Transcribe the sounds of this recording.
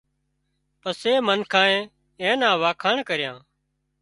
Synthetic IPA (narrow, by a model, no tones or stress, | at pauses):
pəseːmənkʰãːẽː | ẽːnãːʋaːkʰaːɳkəɾjãː